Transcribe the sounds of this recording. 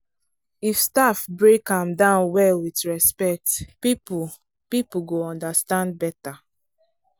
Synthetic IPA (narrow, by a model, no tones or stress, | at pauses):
ifstafbɹekãmdãʊ̃nwɛlwitɹɛspɛk̚tpipu | pipuɡoɔ̃ndastãnd̚bɛta